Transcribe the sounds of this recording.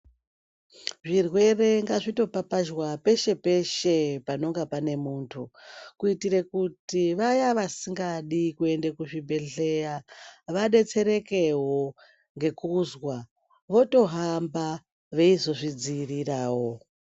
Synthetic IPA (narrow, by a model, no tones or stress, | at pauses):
ʐirwe̞re̞ŋɡaʐito̞papaʒwape̞ʃe̞pe̞ʃe̞pano̞ŋɡapane̞muːntʰukuitiɾekutiʋajaʋasiŋɡaɗikue̞ndekuʐibʱe̞ɬe̞jaʋaɗe̞t͡se̞ɾe̞ke̞ɦo̞ | ŋɡe̞kuzwa | ʋo̞to̞ɦamba | ʋe̞izo̞ʐid͡ziːriraːwo̞